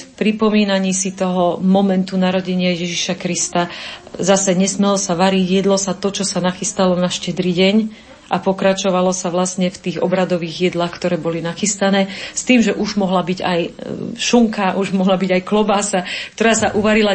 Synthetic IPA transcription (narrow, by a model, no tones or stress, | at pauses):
pɾipɔmiːnaɲiːsit̪ɔɦɔmɔmɛnt̪unaɾɔɟɛɲɪajɛʒiʃakɾist̪azasɛɲɛsmɛlɔsaʋaɾiɟjɛd̪lɔsat̪ɔt͡ʃɔsanaxist̪alɔnaʃcɛd̪ɾiɟɛɲ | ʔapɔkɾat͡ʃɔʋalɔsaʋlastɲɛft̪iːɣɔbɾad̪ɔʋiːɣjɛd̪laːxkt̪ɔɾɛːbɔlinaxist̪anɛːst̪iːmʒɛʔuʒmɔɦlabiɟajʃuŋkaʔuʒmɔɦlabiɟajklɔbaːsakt̪ɔɾaːsaʔuʋaɾila